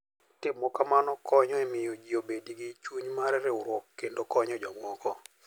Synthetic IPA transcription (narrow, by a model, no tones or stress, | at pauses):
tɪmːɔkamanɔkɔɲɔɛmɪjɔd͡ʒiobediɡit͡ʃuɲmaɾɛɾɛʊɾwɔkːendokɔɲɔd͡ʒɔmɔkɔ